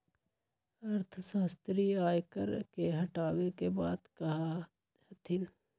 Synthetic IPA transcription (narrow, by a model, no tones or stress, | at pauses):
ɐɾt̪ʰsaːst̪ɾiaːjkə̰ɾkeɦɐʈaːwekebaːd̪kɐɦa | hɐt̪ʰɪl